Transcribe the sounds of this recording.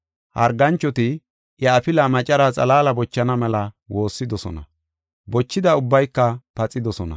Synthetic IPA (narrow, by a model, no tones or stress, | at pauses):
hɐ̰ɾɡɐnt͡ʃːɔt̪ɪ | jɐɐfɪlɐmɐt͡ʃʼɐɾat͡sʼɐlaːlɐbɔt͡ʃːɐnɐmɛlɐ | wo̞ːsːɪd̪ɔsɔ̰nɐ̰ | bɔt͡ʃːɪd̪ɐʊbːɐjkːɐpɐt͡sʼːɪd̪ɔsɔnɐ̰